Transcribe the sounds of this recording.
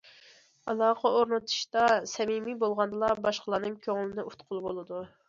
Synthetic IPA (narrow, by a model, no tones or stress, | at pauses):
ɑlˠɑːqʰɑoɾnɨt̪ʰu̥ʃt̪ɑsɛmimibolˠʁɑnd̪ɨlˠɑbɑʃqʰəlˠɑːnɨŋkʲʰøŋlɪnɪut̪qʰʊlˠbolˠɨd̪u